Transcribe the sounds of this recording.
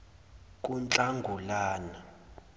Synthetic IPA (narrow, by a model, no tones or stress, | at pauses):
kʼunt͡ɬʼaŋɡʱulaːna